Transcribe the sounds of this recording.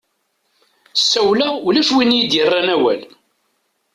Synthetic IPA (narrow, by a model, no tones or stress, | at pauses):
sːæwlæulæʃwinjid̪jərˤːanæwæ̰l